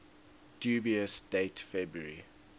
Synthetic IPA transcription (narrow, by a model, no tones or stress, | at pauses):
d̥juːbiəsd̥etfɛbɹəɹi